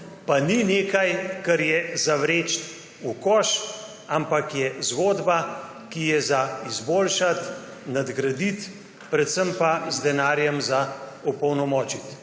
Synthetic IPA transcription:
panineːkajkɐɾjɛzaʋɾeːt͡ʃt̪ | ukɔːʃ | ampakjɛzɡoːd̪ba | kijɛzaizboːlʃat̪ | nad̪ɡɾad̪it̪ | pɾɛt̪səmpazd̪ɛnaːɾjɛmzaɔpɔwnɔmɔːt͡ʃit̪

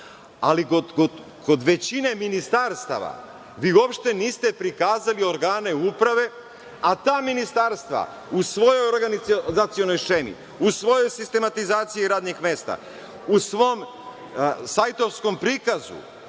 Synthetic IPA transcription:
aliɡoko | ko̞d̪ʋet͡ɕine̞minist̪aɾst̪a̰ʋa̰ | ʋiːuo̞pʃt̪e̞niːst̪e̞pɾikaːzalio̞ɾɡaːne̞upɾaʋe̞ | at̪aːminist̪aːɾst̪ʋa̰ | usʋo̞jojoɾɡanizat̪sijo̞no̞jʃemḭ | usʋo̞jojsist̪e̞mat̪izaːt̪sijiɾaːd̪nixmest̪a̰ | usʋo̞m | sajt̪o̞fsko̞mpɾikazṵ

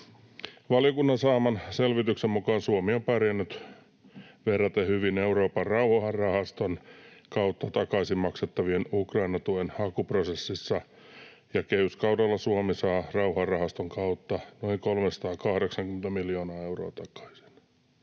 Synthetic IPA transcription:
ʋɑljokunːɑnsɑːmɑnselʋit̪yksemmukɑːnsuomiompærjænːyt̪ | ʋerːɑt̪ehyʋineuɾoːpɑrrɑuhhɑrrɑhɑst̪onkɑwt̪ːɑt̪ɑkɑisimmɑkset̪ːɑʋienukrɑinɑt̪uenɑkuprosesːisːɑ | jɑkeyskɑwdɑlːɑsuomisɑːrɑuhɑrɑhɑst̪oŋkɑut̪ːɑnoiŋkolmesɑ̥t̪ɑːkɑhɾeksɑŋkyment̪æmiljoːnɑːeuro̰ːt̪ɑkɑ̥isi̥n̥

